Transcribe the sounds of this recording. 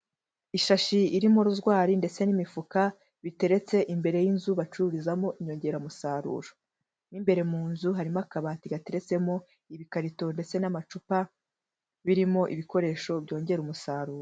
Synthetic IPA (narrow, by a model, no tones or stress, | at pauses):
iʃaʃiiɾimoɾuzɡwaːɾinde̞t͡se̞nimifuka | βite̞ɾe̞t͡se̞ʔimbe̞ɾe̞jinzuβat͡ʃuɾizamo̞ʔiɲo̞ːɲɟe̞ɾamusaːɾṵɾo | nimbe̞ɾe̞muːnzuɦaɾimakaβatiɡate̞ɾe̞t͡se̞mo̞ | iβikaɾito̞nde̞t͡se̞namat͡ʃupa | βiɾimo̞ʔiβiko̞ɾe̞ːʃo̞bɟo̞ːɲɟe̞ɾumusaːɾuːɾo